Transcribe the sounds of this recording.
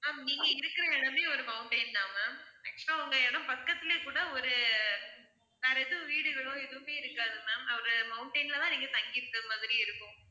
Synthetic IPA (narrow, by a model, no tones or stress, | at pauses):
aːniːŋɡɐɪɾɯkːɪɾɐɛɻɐmeːɔɾɯmɐʊɳʈɐnnaːmɐɐk̚t͡ʃɐlɐ̃ɐɐŋɡɐɛɽɐ̃mpɐkːɐt̪ːɪleːkuːɽɐɔɾɯ | naːɾɐɛðɯʋiːɽɯɣɐɭõːɛðɯʋɯmeːɪɾɯkːaːðɯmɐɐʋɐɾɐmɐʊɳʈɐɪnlɐt̪ãːniːŋɡɐt̪ɐŋɡɪɾɯnɐmaːðɪɾiɪɾɯkːʊ̃